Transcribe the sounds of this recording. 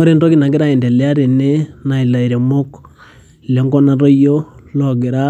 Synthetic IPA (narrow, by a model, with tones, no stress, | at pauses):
ɔ˦ɾe˦ndɔ˦ki˨na˨ɡɪ˦ɾa˦i˨ndɛ˨lɪ˦a˦ɾe˨ne˦na˨i˨la˨i˨ɾe˨mo˦k | le˨˦ŋɡɔ˦na˦ɾɔ˦jo˦lɔ˨ɡɪ˨ɾa˦